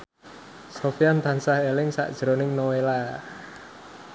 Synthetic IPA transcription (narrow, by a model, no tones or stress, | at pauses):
sofijant̪ansahelɪŋsa̰ʔd̥ʒ̥ɾonɪŋnowela